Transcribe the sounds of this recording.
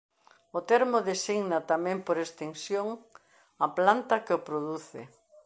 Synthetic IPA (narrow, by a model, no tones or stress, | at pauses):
ʊt̪ɛɾmoðesiɣnɐt̪amɛ̃mpoɾest̪eŋsjoŋ | ɐplant̪ɐkɪopɾoðuθɪ̰